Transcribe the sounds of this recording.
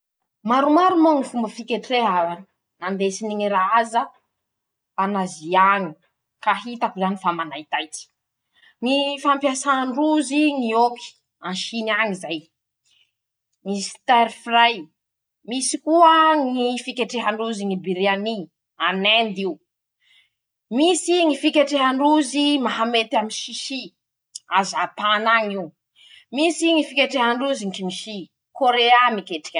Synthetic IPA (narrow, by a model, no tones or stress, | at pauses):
maɾumaɾumoŋifumbəfikʲeʈ͡ʂeɦa | nand̪esiniŋiɾaazə | anaziaɲi | kaɦit̪akuzanifamanajt̪ajt͡si̥ | ŋifampjasaɳruziŋioki̥ | anʃinaŋizaj | ŋisi̥t̪aɾifraj | misikuəŋifikʲeʈ͡ʂeɦaɳɖ͡ʐuziŋibiɾeani | anɛnd̪iu | misiŋifikʲeʈ͡ʂeɦaɳɖ͡ʐuzimaɦamet̪aminʃiʃi | azapanaŋiu | misiŋifikʲeʈ͡ʂeɦaɳɖ͡ʐuziŋkimiʃi | koɾeamikeʈ͡ʂḁkʲa